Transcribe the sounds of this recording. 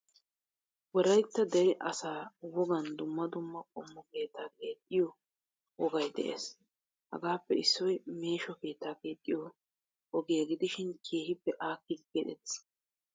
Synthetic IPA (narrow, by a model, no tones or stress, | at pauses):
wɔɾɐjt̪ːɐd̪ɛɾɪʔɐsaːwɔɡɐnd̪ʊmːɐd̪ʊmːɐkʼɔmːɔke̞ːt̪ːaːke̞ːt̪ʼːɪjɔ | wɔɡɐjd̪ɛ̰ʔḛːs | hɐ̰ɡaːpːɛɪsːɔjme̞ːʃɔke̞ːt̪ːaːke̞ːt̪ʼːɪjɔ | ɔɡɪjɐɡɪd̪ɪʃɪnkʰe̞ːhɪpːɛʔaːkːɪd̪ɡɛᶑ̪ɛt̪s